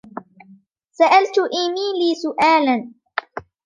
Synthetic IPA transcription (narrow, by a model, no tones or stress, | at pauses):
saʔalt̪ʊʔimiːliːsʊʔaːlan